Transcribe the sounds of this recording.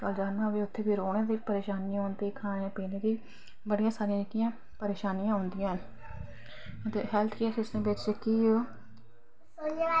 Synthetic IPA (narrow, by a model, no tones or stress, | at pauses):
kəld͡ʒaːnnaːʋiːʊt̪ʰːeːbiːɾoːnẽːd̪iːpəɾeːʃaːnijãːɦõːnd̪iːkʰãːnãːpeːnẽːd̪iː | bəɽijãːsaːɾɪjãɪkijãː | pəɾeːʃaːnijãːɦõːnd̪ɪjãːɦn | t̪eːɦɛlt̪ʰkiɛːsɪʊsd̪ẽːbɪt͡ʃt͡ʃekiːoː